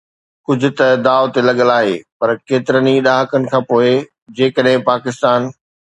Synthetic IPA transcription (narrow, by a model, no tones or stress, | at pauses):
kʊd͡ʑʱʊ̆t̪ɐd̪aːot̪elɐɠəlaːɦḛːpɐɾkeːt̪ɪɾəniɗaːɦəkənɪ̆kʰãːpoːe | d͡ʑeːkəɗɦɪ̃paːkɪst̪aːn